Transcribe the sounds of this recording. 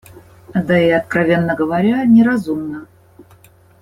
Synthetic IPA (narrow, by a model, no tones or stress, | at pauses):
d̪aiɐt̪̚kɾɐvʲe̞nːəɡəvɐɾʲanʲɪɾɐzumnə